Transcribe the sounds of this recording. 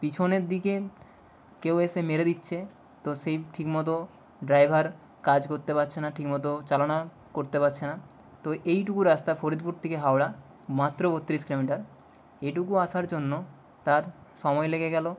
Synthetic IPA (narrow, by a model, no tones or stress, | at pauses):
pit͡ɕʰoneɾd̪ike | keweʃemeɾed̪itːɕʰe | t̪oʃejʈʰikmɔt̪̬o | ɖɾajbʱaɾ | kad͡ʑkoɾt̪epatːɕʰenaʈʰikmɔt̪̬ot͡ɕalona | koɾt̪epatːɕʰena | t̪oʔejʈukuɾast̪afoɾid̪̚puɾt̪ʰikeɦawɽa | mat̪ːɾobot̪ːɾiʃklemiʈaɾ | eʈukuaʃaɾd͡ʑonːo | t̪aɾʃɔmɔeleɡeɡɛlo